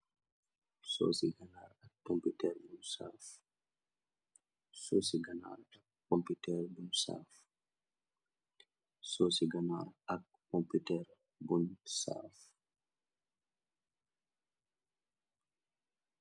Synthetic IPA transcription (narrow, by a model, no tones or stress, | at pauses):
so̰siɡanaːɾakːomputɛɾbunsa̰ːf | sosiɡana̰ɾakːompitɛɾbunsa̰f | sosiɡanaɾakːomputɛɾ | bunsa̰f